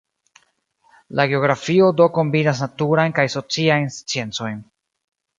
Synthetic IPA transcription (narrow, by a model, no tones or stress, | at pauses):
laɡeo̞ɡɾafio̞do̞ko̞mbinas̬natuɾajnkajso̞t͡siajnst͡sie̞nt͡so̞jn